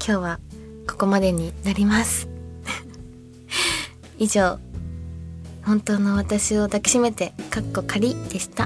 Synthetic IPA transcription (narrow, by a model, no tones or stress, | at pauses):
kʲʰo̞ːβa | ko̞̥ko̞mad̪e̞ɲ̟inaɾʲimasɨ̥ | iʑo̞ː | hõ̞nt̪o̞ːno̞β̞at̪aɕio̞d̪akʲi̥ɕime̞t̪e̞kakːo̞kʰaɾʲid̪̥e̞ɕi̥t̪a